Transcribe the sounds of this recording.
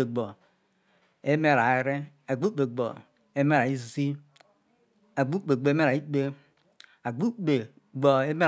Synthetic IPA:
e˨ɡ͡bo˨ | e˦me˦ɾa˨e˨˦ɾe˦ | a˨ɡ͡bu˦k͡pe˨ɡ͡bo̰˨ | e˦me˦ɾa˨i˦su˨si˦ | a˨ɡ͡bu˦k͡pe˨ɡ͡bo˨e˦me˦ɾa˨i˦k͡pe˦ | a˨ɡ͡bu˦k͡pe˨ | ɡ͡bo˨e˦me˦˨

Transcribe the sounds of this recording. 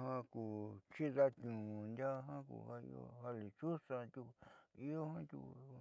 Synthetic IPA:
hã˧ku˨t͡ʃi˦ða˦t̪ʲɲũ˨˧nd̪ʲa˦˧ɦã˦kṵ˧˨ha˧ḭ˧o̰˧ha˧li˨t͡ʃu˦sã˧t̪ʲu˧i˦o˦hã˦t̪ʲṵ˧

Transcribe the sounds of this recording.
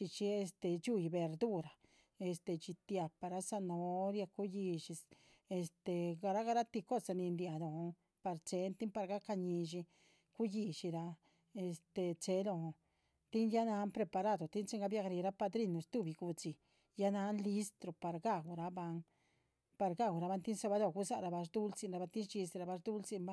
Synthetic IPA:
t͡ʃi˧t͡ʃi˧e˧st̪e˨t͡ʃu˦˧jbe˨˧ɾd̪u˦ɾa˨ | e˧st̪e˧t͡ʃi˧t̪ja˧pa˧ɾa˧˦sa˧no˧˦ɾja˧ku˦ji˧ʃi˧s | e˧st̪e˧ɡa˧ɾa˦ɡa˧ɾa˦t̪i˧ko˦sa˧ni˧nd̪ja˨d̪o˨˧ | pa˧ɾt͡se˧nt̪i˦mpa˧ɾɡa˦ka˧ɲi˧ʃi˧ | ku˦ji˧ʃi˧ɾa˧ | e˧st̪e˧t͡se˧˦lo˧ | t̪i˦nja˦na˧˦npɾe˧pa˧ɾa˦˨d̪o˨t̪i˦nt͡ʃe˦ŋɡa˧bja˧kɾi˧ɾa˦pa˧d̪ɾi˦˧nːu˧st̪u˦˨bi˧ɡu˧t͡si˨ | ja˦na˧˦nli˧˦st̪ɾo˨pa˨ɾɡa˦˧˨ɡu˧ɾa˧ba˧ŋ | pa˧ɾɡa˦ɡʷɾa˧ba˧˦nt̪i˦nsa˧ba˧d̪o˧˨ɡu˧˦sa˦ʔɾa˧ba˧ʂd̪u˦lt͡si˧nɾa˧ba˧t̪i˦nt͡ʃi˧si˧ɾa˧ba˧ʂd̪u˦lt͡si˧mba˦

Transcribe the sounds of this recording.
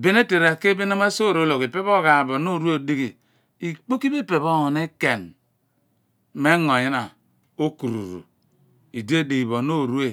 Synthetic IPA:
be˦ne˦te˨ɾa˨ke˦be˦n˦a˦ma˦so˦˨ɾo˦lo˨ki˨pe˦bo˦ɣa˨bo˨no˦˨ɾu˦e˦˨di˦ɣi˨ | i˨k͡po˦ki˦be˦˨pe˨βo˦ŋo˨ne˦ke˨n | me˦ŋo˨ji˦na˨ | o˦ku˨ɾṵ˨ɾṵ˨ | i˨de˦de˨i˨βo˨no˦˨ɾu˦e˦˨

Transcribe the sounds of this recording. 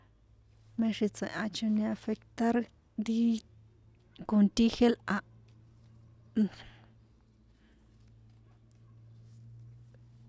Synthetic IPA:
mẽ˧ʂi˧t͡sḛ̃˨ʔã˧t͡ʃõ˧nĩ˧a˧fe˧kt̪a˦ɾ | nd̪i˦ | ko˧nt̪i˦xe˦lʔa˧ʔ

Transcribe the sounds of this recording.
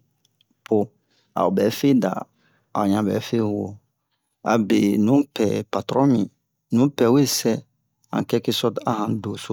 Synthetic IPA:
po˨ | a̰˨o˨bɛː˨˦fe˦da̰˨ | a˨ɲã˨˦bɛ̰˨˦fe˦˨wo̰˦˨ | a̰˨be˨nũ˨˦pɛ˨pa˨tɾɔ̃˦mĩ˨ | nũ˨˦pɛ˨we˦˨sɛ˦ | ã̰˨kɛ˦ke˦sɔ˦ta˨hã˨do˨so˦

